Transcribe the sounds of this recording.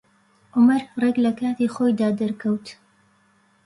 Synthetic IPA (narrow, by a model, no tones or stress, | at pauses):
ʔʊmɐɾreklɐkaːt̪iːχoːjd̪aːd̪ɐɾkʰɐwt̪